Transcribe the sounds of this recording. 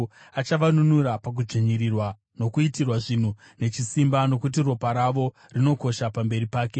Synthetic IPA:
at͡ʃaʋanunuɾapak̬ud͡ʒeɲirirwa | no̞kuitirwaʐin̤u | ne̞t͡ʃisimbano̞kut̬iro̞paɾaʋo̞ | rino̞ko̞ʃapambe̞ɾipaːke̞

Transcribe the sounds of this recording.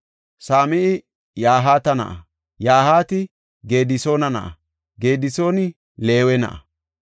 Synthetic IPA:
saːmɪʔɪ | jaːɦaːt̪ɐnɐ̰ʔɐ | jaːhaːt̪ɪ | ɡe̞ːd̪ɪso̞ːnɐnɐ̰ʔɐ̰ | ɡe̞ːd̪ɪso̞ːnɪ | le̞ːwɛnɐ̰ʔɐ

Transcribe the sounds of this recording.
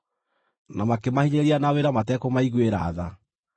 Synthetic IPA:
namakemahiɲeɾianaweɾamatɛkomaiɣweɾa̰ːða

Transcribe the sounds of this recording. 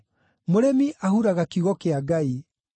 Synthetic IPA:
moɾɛmiʔahuɾaɣakiɣɔkeaɡai

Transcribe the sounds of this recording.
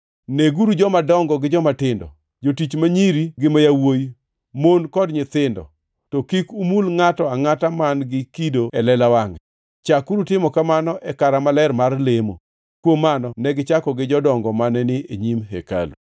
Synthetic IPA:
neɡuɾud͡ʒɔmadɔŋɡɔɡɪd͡ʒɔmatɪndɔ̰ | d͡ʒotit͡ʃmaɲiɾiɡɪmajawoj | monkɔdɲɪt̪ɪndɔ̰ | tɔkikumulŋatɔaŋatamanɡɪkidoɛlɛlawaŋɛ | t͡ʃakuɾutɪmɔkamanɔʔɛkaɾamalɛrmarlemo̰ | kwomːanɔnɛɡɪt͡ʃakɔɡɪd͡ʒɔdɔŋɡɔmanɛnɪeɲimɦḛka̰lṵ

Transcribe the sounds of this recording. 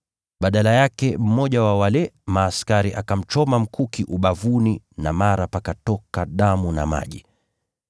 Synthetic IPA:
ɓaɗalajakɛm̩mɔʄawawalɛmaːskaɾiʔakam̩t͡ʃɔmam̩kʰukiʔuɓavuni | namaɾapakatɔkaɗamuna̰ma̰ʄi

